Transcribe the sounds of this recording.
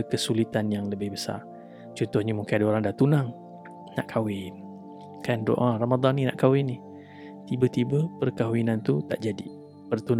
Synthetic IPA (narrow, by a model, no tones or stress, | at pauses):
kəsulit̪anjaŋləbɪhbəsa̰r | t͡ʃɔnt̪ʊhɲəmuŋkaadaoɾaŋdaht̪unaŋ | na̰ʔkʰawɪn | kando̰ʔaramad̪ɑnːina̰ʔkawɪnih | t̪ibət̪ibəpərkaɦwinant̪ut̪aʔd͡ʒadḭ | pərt̪un